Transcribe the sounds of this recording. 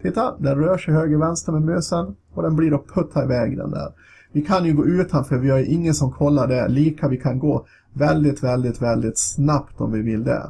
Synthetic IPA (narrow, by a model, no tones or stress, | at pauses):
t̪ʰɪt̪ːad̪ɛnɾøːʂɛɪhøːɡəɾvɛnst̪əɾmeːd̪møːsən | ɔd̪ɛnbliːɾɔk̚pʰːɵt̪ʰːaɪvɛːɡɾə̰nd̪æ̰ːɾ | vɪkʰanjɵɡoːʉ̟ːt̪ʰanfœɾvɪhaɾjʔɪŋːənsɔmkʰɔlːaɖɛliːkavɪkʰanɡoː | vɛld̪ɪt̪vɛld̪ɪt̪vɛld̪ɪt̪snapt̪ɔ̰mvɪvɪld̪ɛ̰